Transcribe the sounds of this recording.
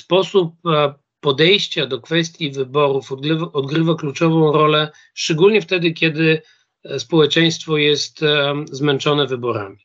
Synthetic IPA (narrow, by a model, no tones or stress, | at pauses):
spɔsup̚ː | ɔd̪ɛjɕt͡ɕad̪ɔkfɛst̪ʲjivɘbɔɾufɔd̪ɡɾɘvaklut͡ʂɔvɔ̃w̃ɾɔlɛ | ʂt͡ʂɛɡulɲɛft̪ɛd̪ɘkʲɛd̪ɘ | spɔwɛt͡ʂɛj̃st̪fɔjɛst̪zmɛnt͡ʂɔnɛvɘbɔɾa̰mʲi